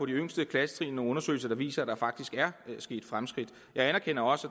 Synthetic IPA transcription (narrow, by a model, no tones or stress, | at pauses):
ɒ̽d̥iøŋ̰sd̥əkʰlæsə̥t͡sʰʁḭːno̝ɔ̽nɐsø̰ɪlsɐd̥ɑ̈ʋḭːsɐæd̥ɑ̈fɑ̈ɡ̥̚d̥isɡ̥æɐsɡ̥e̝̰ːd̥fʁamsɡ̥ʁid̥ | jɑ̈ɪænɐkʰen̰ɐɒ̽sæ